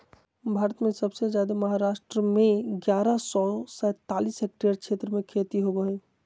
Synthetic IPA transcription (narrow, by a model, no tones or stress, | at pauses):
bʱaːɾət̪mẽsəbsed͡ʒjad̪aməɦaɾasʈɾəmẽɡjaɾasɔsɛt̪alisɦek̚ʈeəɾkt͡ʃʰet̪ɾəmẽkʰet̪iɦoɡəɦə̃